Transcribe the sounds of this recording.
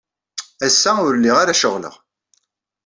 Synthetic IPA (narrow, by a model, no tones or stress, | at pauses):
æsːæʊɾlːiʁaɾaʃəʁlə̰ʁ